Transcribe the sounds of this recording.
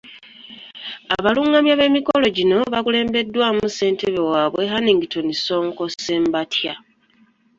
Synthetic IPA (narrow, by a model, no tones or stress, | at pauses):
aβaluːŋɡamjaβe̞mikolo̞ɟino̞βakule̞ːmbe̞dːwaːmuse̞ːnte̞βe̞waːβwe̞ɦaniːŋɡito̞niso̞ːŋko̞seːmbatʰja